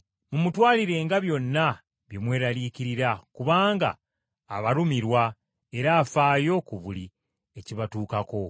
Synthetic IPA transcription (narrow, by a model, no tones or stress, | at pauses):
mumutwaːliɾe̞ːŋɡaβjo̞nːa | βjemwe̞ːɾaliːciɾiɾakuβaːŋɡa̰ː | βaɾumiɾwa | e̞ɾaːfaːjo̞kuβuli | e̞ciβatuːkako̞